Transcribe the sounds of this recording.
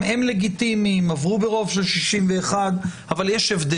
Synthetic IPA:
emle̞ɡit̪imimavʁubeʁo̞vʃelʃiʃimveːχad̪ | avaljeʃevd̪e

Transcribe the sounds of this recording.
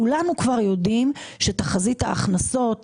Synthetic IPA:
ulanukvaʁjo̞dimʃetaχazitha̰ːχnaso̞t

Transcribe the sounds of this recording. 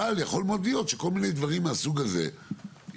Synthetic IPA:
aljaχo̞lmo̞d̪lijo̞t̪ʃeko̞lmine̞jd̪vaʁimːeasuɡazḛ

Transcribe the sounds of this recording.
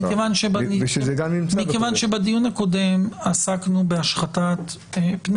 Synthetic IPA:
kevanʃebaezeɡamnimt͡smikevanʃebadijunhako̞de̞masaknube̞aʃχatat | pn

